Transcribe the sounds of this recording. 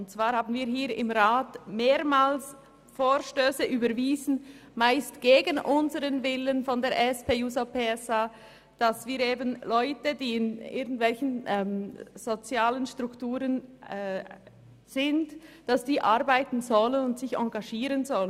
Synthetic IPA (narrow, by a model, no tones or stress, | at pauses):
ʊnt̚t͡sv̥aːɾhaːbn̩viːɾɦiːɾɪ̰mʁaːtmeːɾmaːls | foːɾʃtøːsəʔyːbəɾviːzn̩maɪstɡ̥eːɡənʔʊnzəʁənvɪlənfɔndeːɐɾʔɛspʰeːjuːzopeɛsa | d̥asv̥iːɾeːbənlɔʏtədiːɪnɪ̰ɡn̩tvɛlçən̩ɛmz̥ot͡sjaːlənʃtʁʊktuːɾənɛ | z̥ɪntd̥asd̥iːʔaɾbaɪtn̩zɔlənʊntsɪçɑ̰ŋɡaʃiːɾənzɔlə